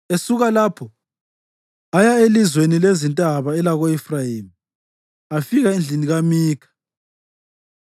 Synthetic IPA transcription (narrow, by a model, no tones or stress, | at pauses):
esuɣalapʰɔ | ajaelizwenilezintʼaβaɛlaɣoɛfrajiːm | afiɣaind͡ɮʱiniɣamiːkʰḁ